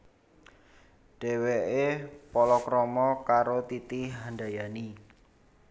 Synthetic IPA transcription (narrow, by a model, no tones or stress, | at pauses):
ɖ̥e̤weepɔlɔkɾɔmɔkaɾot̪it̪iɦandajani